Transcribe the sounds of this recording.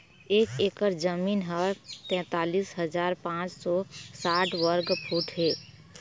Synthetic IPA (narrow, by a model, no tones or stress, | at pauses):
eːkekəɾd͡ʒəmiːnɦəɾt̪ɛ̃ːt̪aːliːsɦəd͡ʒaːɾpãːt͡ʃsɔːsaːʈʰwəɾɡpʰuːʈʰɦeː